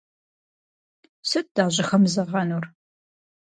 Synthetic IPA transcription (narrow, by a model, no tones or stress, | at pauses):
sɐt̚d̥aːʑɪxɐmzɨʁɐnur